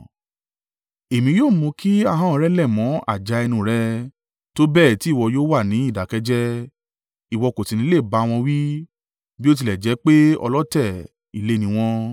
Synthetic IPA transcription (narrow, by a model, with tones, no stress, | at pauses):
e˨mĩ˧joː˦˨mũ˧˦kʰi˦a˦˧ɦã˦ɔ˧ɾɛ˦lɛ˦˨mɔ̃˨˦a̰˦˨d͡ʒa˨˧˦ɛ˧nũ˧˨ɾɛ˦ | to˦bɛː˦˨ti˨˦˨wɔ˧joː˦wa˦˨nĩ˨˦i˦˨da˨˦kɛ˦d͡ʒɛ˦ | i˦˨wɔ˧ko˨tĩ˨nĩ˧˦le˦˨ba˨˦˧w̃ɔ̃˧wi˦ | bi˦o˦t̬i˧lɛ˨d͡ʒɛ˨˦k͡pe˦ɔ̰˧lɔ˦tɛ˦˨ | ḭ˨le˦˨nĩ˧w̃ɔ̃˧